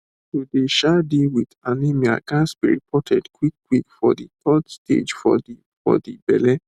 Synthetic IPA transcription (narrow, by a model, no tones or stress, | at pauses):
todeʃadiwidanĩmĩa̰ɡasbiɾḭpʰɔtʰɛdkwik̚ːwikfɔditʰɔdstʰḛd͡ʒfɔ̰di | fɔ̰dibɛ̰lɛ